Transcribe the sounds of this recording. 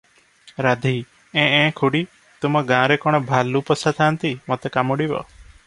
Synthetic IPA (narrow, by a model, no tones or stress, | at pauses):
ɾad̪ʱi | ẽẽkʰuɽi | t̪umɔɡãɾekɔɽ̃ɔbʱalupɔsat̪ʰant̪imɔt̪ekamuɽibɔ̰